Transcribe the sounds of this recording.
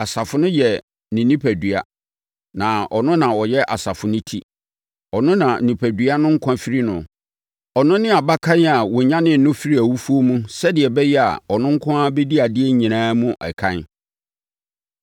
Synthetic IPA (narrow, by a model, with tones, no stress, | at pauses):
a˨sa˨fʊ˨nʊ̃˦jɛ˨ | nĩ˨nĩ˦pʰæ˨dɥa̰˨ | nã˨ɔ˨nʊ̃˦nã˨ɔ˨jɛ˦ʔa˨sa˨fʊ˨nʊ̃˦tʰḭ˦ | ɔ˨nʊ̃˦nã˨n̩˨nĩ˨pʰæ˨dɥa˦nʊ̃˦ŋ̩˦kʷʰã˦fi˦ɾi˦nʊ̰̃˨ | ɔ˨nʊ̃˦nɪ̃˦a˨ba˦kʰã˦n˦a˨wɔ˨ɲã˦nɪ̃˦n̩˨nʊ̃˦fi˦ɾi˦æ˨wu˦fu˦o˦mũ˦sɛ˦dɪ˨ɛ˨bɛ˦jɛ˦a̰˨ɔ˨nʊ̃˦ŋ̩˦kʷʰʊ̃˦a˦bɛ˦di˦a˨dɪ˦ɛ˦ɲĩ˨nãː˦mũ˦ʔɛ̰˨kʰã˦n